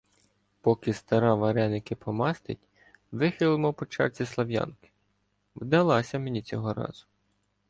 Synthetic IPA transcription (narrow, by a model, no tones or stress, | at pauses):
pɔkɪst̪ɐɾɑʋɐɾɛnɪkɪpʰɔmɑst̪ɪtʲ | ʋɪxɪlˠɪmɔpɔt͡ʃɑ̰rt͡sʲislˠɐʋjɑ̰nkɪ̥ | wd̪ɐlˠɑsʲɐmenʲit͡sʲɔɦɔɾɑ̰z̥ʊ